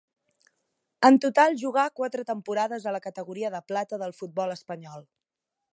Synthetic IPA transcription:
ənt̪ut̪alˠʒuɣakwat̪ɾət̪əmpuɾaðəzələkət̪əɣuɾiəðəplat̪əðəlˠfud̪̚bɔləspəɲɔlˠ

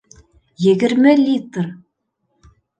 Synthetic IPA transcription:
jɘ̆ɡɘ̆ɾmɘlʲit̪r

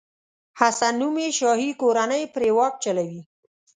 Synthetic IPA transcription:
hasanumeʃɑɦikoɾanəjpɾewɑk̚t͡ʃalawi

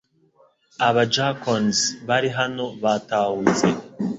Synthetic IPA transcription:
aβad͡ʒakonzβaɾiɦano̞βaːtaːhuze

